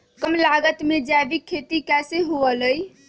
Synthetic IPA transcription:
kəmlaɡət̪med͡ʒabikʰːet̪ikɛseɦuələj

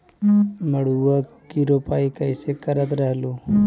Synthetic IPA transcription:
məɽuʋəkiɾopaːikəjsekəɾət̪ɾəɦluː

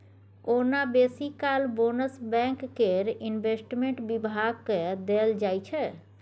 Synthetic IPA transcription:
onabesikalbonəsbɛ̃ŋkːeɾinbesʈmẽɳʈbibʱaɡ̚ked̪eld͡ʒajt͡ʃʰɛ

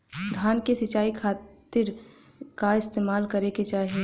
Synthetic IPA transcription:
d̪ʱjaːnkesɪt͡ʃaːikʰaːt̪ɪɾ | kaɪst̪eːmaːlkɐɾeket͡ʃaːɦie

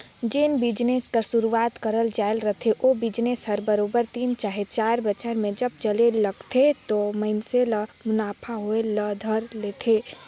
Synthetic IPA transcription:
d͡ʒenbɪd͡ʒneskəsʊɾuaːt̪kəɾəld͡ʒaːɪlɾət̪ʰeʔobɪd͡ʒnesɦəɾbəɾoːbəɾt̪iːnt͡ʃaːɦet͡ʃaːɾbət͡ʃʰəɾmẽd͡ʒəb̚t͡ʃəleləɡt̪ʰet̪oməɪnseləmʊnaːpʰaɦoeləd̪ʱəɾleːt̪ʰeː

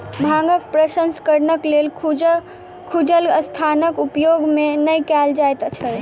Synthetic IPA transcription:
bʱãŋɡək̚pɾəsənskəɾnəklel | kʰud͡ʒələst̪ʰanəkupjoɡmenəjkɛld͡ʒajt̪t͡ʃʰəl

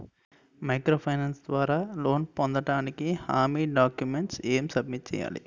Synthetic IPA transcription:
mɐjkɾoːpʰɐjnɐnsd̪ʋaːɾaːlo̞ːnpond̪ɐɽaːnikihaːmiːɖaːkjumeɳʈseːmsɐd̪miʈ̚t͡ʃɛ̰ːja̰ːlḭ

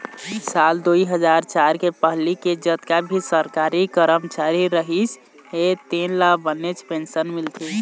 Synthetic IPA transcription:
sald̪oiɦəd͡ʒaɾt͡ʃaɾkepəɦliked͡ʒət̪kabʱisəɾkaɾikəɾəmt͡ʃaɾiɾəɦit͡ʃ | ɦet̪enlabənet͡ʃpensənmilt̪ʰi

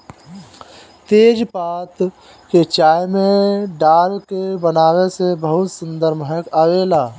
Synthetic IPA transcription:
t̪eːd͡ʒpaːt̪ | ket͡ʃaːjmẽɖaːlkebənaːwesebəɦʊt̪sə̃nd̪əɾmɦəkaːʋeːlaː

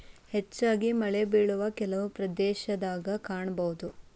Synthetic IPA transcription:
het͡ʃːaːɡimɐɭebeːɭuʋɐkɛlɐʋupɾɐd̪ɛːʃɐd̪aːɡɐkaːɳɐbɐɦud̪u

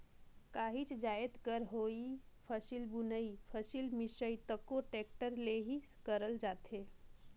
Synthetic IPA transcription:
kaːɦit͡ʃd͡ʒaːət̪kəɾɦoːipʰəsilbʊnəipʰəsilmɪʃəit̪əkːoʈeːkʈəɾleɦiskəɾəld͡ʒaːt̪eː

